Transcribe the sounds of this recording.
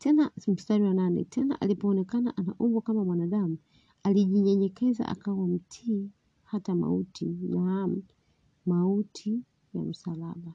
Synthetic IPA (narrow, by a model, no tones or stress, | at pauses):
tɛnam̩staɾiwananɛ̰tʰɛna̰ʔalipɔːnɛkana̰ʔana̰ʔuvwakamamwanaɗamu | aliʄiɲɛɲɛkɛza̰ʔa̰kawam̩tʰi | hatama̰utijam | mautʰi | ja̰m̩salaɓa